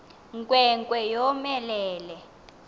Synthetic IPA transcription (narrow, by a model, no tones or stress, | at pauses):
ŋkʼwɛŋkʼwɛjɔmɛlɛːlɛ